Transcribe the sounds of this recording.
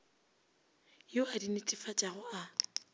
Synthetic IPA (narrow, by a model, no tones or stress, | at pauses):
joadinɪtʼɪfat͡ʃʼaɣʊa